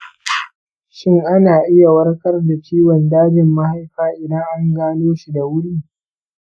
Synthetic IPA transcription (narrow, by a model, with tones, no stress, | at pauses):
ʃɪ˦ŋʔa˦naː˨ʔɪ˦ja˨wɐ˦ɽkɐ˦rda˨t͡ʃiː˦wɔ˨ndaː˦d͡ʒɪ˨mːa˦ha˦jɸaː˦ʔɪ˨dɐ˦ŋʔa˦ŋɡaː˦noː˦ʃi˨da˨wʊ˦ɽiː˦˨